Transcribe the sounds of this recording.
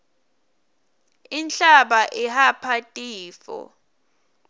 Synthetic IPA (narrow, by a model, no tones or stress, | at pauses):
inɬaɓaʔihapʰatʼiːfɔ̰